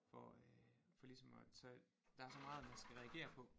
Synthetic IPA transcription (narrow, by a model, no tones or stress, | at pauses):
fɒ | fɒ̽lisɒ̽mɒsɒ | d̥ɑ̈æɐsɒ̽mɑ̈ːð̩ˠmænsɡ̥æʁɛæɡ̥e̝̰ːɐpʰɒ̽